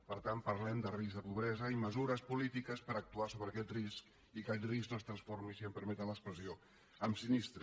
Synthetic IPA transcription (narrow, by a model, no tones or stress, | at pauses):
pəɾt̪anpəɾlɛmd̪ərizðəpuβɾɛzəiməzuɾəspulit̪ikəspəɾək̚t̪uasoβɾəkɛt̪risk | ikat̪risknoəst̪ɾənsfoɾmisiəmpəɾmɛt̪ənləkspɾəzio | əmsinist̪ɾ